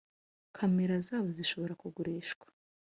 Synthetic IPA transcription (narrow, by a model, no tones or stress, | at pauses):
kʰameɾazaːβoziʃo̞βo̞ɾakuɡuɾiːʃɡ̥wḁ